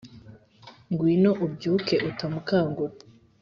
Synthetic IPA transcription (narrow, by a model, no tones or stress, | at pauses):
ŋɡwiːnoʔub̚ɟuːkeʔutamukaːŋɡo